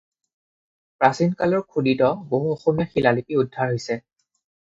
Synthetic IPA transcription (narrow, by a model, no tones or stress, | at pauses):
pɹasinkalɔɹkʰuditɔboɦuoxɔmijɔxilalipiudʱːaɹɦojsɛ